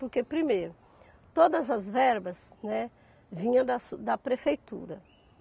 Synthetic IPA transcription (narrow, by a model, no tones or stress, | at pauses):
poɾkepɾimejɾʊ | t̪od̪ɐzɐzvɛɾbɐznɛ | vĩɲɐ̃w̃d̪ɐsud̪ɐpɾefejt̪ṵɾɐ